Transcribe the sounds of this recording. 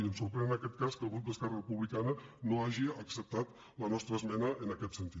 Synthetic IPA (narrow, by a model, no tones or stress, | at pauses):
əmsuɾpɾɛənəkɛt̪̚kaskəlˠɣut̪̚d̪əskɛrərəpuβlikanənoaʒiəksəp̚t̪at̪ | lənɔst̪ɾəzmɛnəʔənəkɛt̪sənt̪i